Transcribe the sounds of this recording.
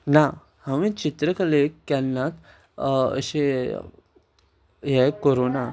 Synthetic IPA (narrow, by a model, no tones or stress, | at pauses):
na | həʋĩt͡ɕit̪ɾəkəlekːɛlnat̪ | ə̰ɕe | jɛkoɾona